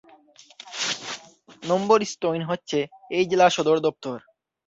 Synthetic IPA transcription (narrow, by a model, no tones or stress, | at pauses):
nomboɾisʈojnɦotːɕʰeejd͡ʑelaʃɔd̪oɾd̪ɔp̚t̪oɾ